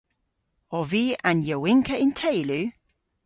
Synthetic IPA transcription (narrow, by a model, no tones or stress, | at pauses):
ɔviːʔãnjəwɪ̃ŋkʰəɪntʰeɪlʉ